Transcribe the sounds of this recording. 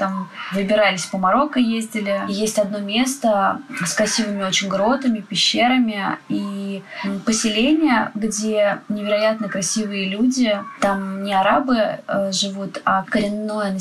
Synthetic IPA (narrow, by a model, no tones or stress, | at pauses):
t̪amvɨbʲɪɾalʲɪsʲpəmɐɾo̞kəjezʲdʲɪlʲɪjesʲtʲɐd̪no̞mʲe̞st̪əskɾɐsʲivɨmʲɪo̞t͡ɕɪnʲɡɾo̞t̪ɨmʲɪpʲɪɕːe̞ɾəmʲɪi | pəsʲɪlʲenʲɪjəɡdʲe̞nʲɪvʲɪɾɐjat̪nəkɾɐsʲivɨjəlʲudʲɪt̪amnʲɪɐɾabɨəʐɨvut̪akəɾʲɪnːo̞jənə